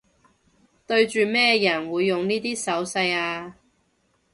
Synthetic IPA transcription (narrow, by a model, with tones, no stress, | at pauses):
t̪ɵ˧ɥt͡ʃyː˨mɛː˥jɐ˨˩nwuː˨˧jːʊ˨ŋniː˥t̪iː˥sɐ˨˥wsɐ˧jaː˧